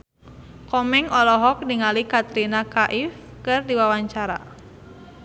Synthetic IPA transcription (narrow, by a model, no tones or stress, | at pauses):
kɔmɛŋɔlɔɦɔk̚diŋalikat̪ɾinakaʔifkɨrdiwawaɲt͡ʃaɾa̰